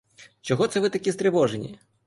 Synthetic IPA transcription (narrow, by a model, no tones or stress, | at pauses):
t͡ʃɔɣɔt̪sɛvɨt̪akʲist̪ɾɨvɔʐɛnʲḭ